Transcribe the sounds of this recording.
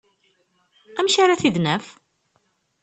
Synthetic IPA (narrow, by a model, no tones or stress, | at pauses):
æmʃaɾaθiðnəf